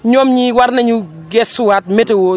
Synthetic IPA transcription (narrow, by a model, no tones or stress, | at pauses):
ɲomɲiwaɾnɛɲu | ɡɛswat̚metewo